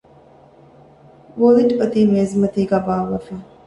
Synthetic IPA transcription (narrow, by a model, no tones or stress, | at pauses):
ʋoliʈɐt̪iːmeːzmɐt̪iːɡæːbaːʋɐfæː